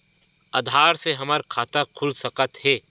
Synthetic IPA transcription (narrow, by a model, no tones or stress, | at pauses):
ɐːd̪ʱaːɾseɦɐməɾkʰaːt̪akʰʊlsɐkət̪ɦɛː